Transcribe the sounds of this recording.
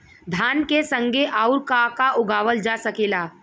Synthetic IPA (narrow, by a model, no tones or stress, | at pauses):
d̪ʱaːnkesə̃ŋɡʱeʔaːʊɾkakaʔʊɡaːʋəld͡ʒasəkeːlaː